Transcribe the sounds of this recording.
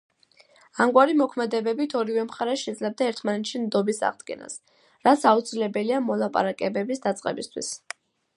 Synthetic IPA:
amɡwaɾimɔkʰmɛd̪ɛbɛbit̪ʰɔɾivɛmχaɾɛʃɛd̪zlɛb̚d̪aɛɾt̪ʰmanɛt̪ʃimd̪ɔbisa̰ʁd̪ɡɛ̰na̰s | ɾat̪sʰaut̪sʰilɛbɛliamɔlˠapʼa̰ɾakʼɛbɛbisd̪at̪sʼqʼɛ̰bist̪ʰwḭs

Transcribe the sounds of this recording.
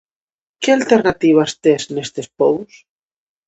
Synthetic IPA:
kealt̪eɾnat̪iβ̞ast̪eznest̪espows

